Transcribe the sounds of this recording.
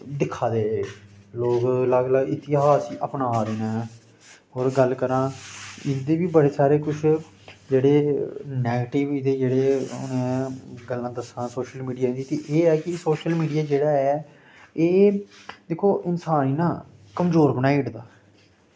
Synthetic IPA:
d̪ɪkʰːaːd̪eːloːkləɡləɡɪt̪ɪɦaːsiʔəpnaːɾeːnãː | ɦoːɾɡəlkəɾãːɪd̪eːbiːbəɽeːsaːɾeːkʊt͡ʃʰ | d͡ʒeːɽeːnɛːɡəʈɪʋid̪eːd͡ʒeːɽeːʊ̰nẽːɡəlːãːd̪əsãːsoːʃəlmiːɖijaːd̪iːt̪eːʔeːɛːkɪsoːʃəlmiːɖijaːd͡ʒeːɽaːɛː | eːd̪eːkʰoːʔɪnsaːninãː | kəmzoːɾbənaːiɖd̪aː

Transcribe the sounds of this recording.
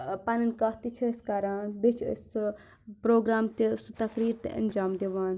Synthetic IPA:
panɐnkɐt̪it͡ʃʰɐɐskaːɾaːnbit͡ʃʰs | pɾoːɡɾaːmt̪isut̪ɐkɾiːɾt̪ḛʔɐ̰nd͡ʒaːmd̪eʋaːn

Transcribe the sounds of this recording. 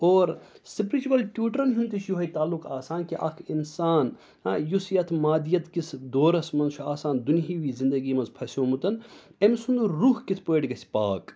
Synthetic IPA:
oːɾsipɾit͡ʃukɐlʈʲjuːʈɾɐnɦunt̪iʃjuɦɐjt̪aːlːukaːsaːnkiʔɐ̰kʰinsaːn | ajusjɐt̪ʰmaːd̪ijɐt̪kisʰd̪oːɾɐsmɐnʃʰuaːsaːnd̪uniɦiʋiːzind̪ɐɡiːmɐnzpʰɐsoːmut̪ɐnemsund̪uɾːuɦkit̪ʰpoeʈɡɐsʲpaːk

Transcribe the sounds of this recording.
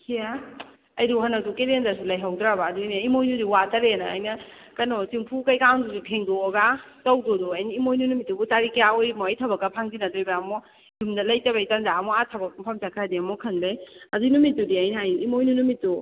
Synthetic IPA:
kʰija | ɐjduhanɐdukelenzas̬ulɐjɦawdɾabaːduineimojdudiwatɐɾenaa̰jnɐ | kɐnosiŋpʰukɐjkaŋdusupʰeŋdooɡatɐwdodɔajniimojnunumitːubutaɾikjaojmɔːjtʰɐbɐkːɐpʰaŋdinadojbaːmɔ | dumdɐlɐjtɐbajtanzaːmɔatʰɐbɐk̚pʰamsakʰadiɐmɔkʰɐnbajɐzunumit̚ːudiɐjnaajuimojnunumitːu

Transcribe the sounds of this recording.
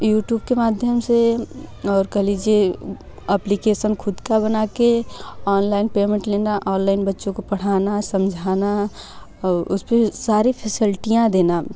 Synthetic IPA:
juːʈjuːb̚kemaːd̪ʱjəmse | ɔːɾkəɦlid͡ʒie | əplikesənkʰʊd̪kabənakeɔːnlaːɪnpeːmẽɳʈlenaʔɔ̃ːnlaɪnbətːʃõkopəɽ̤aːnasəmd͡ʒʱaːna | ʊ̰spesaːɾipʰesilʈijãd̪eːna

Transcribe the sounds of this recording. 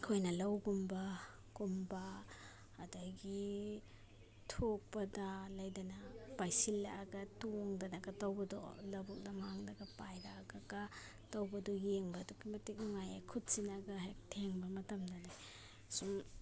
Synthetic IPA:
kʰojnɐlɐwɡumba | kumbaː | daɡi | tʰok̚pɐdalajdanapajsilːaaɡatoŋdanaɡɐtawbɐdɔ̰lɐbuk̚dɐmhaŋdaɡapajdaːɡaɡa | tawbɐdɔjeŋbɐdɔkimɐtik̚ŋajakʰut̚sinaɡaɦak̚tʰeŋbɐmɐtɐmdanaj | sum

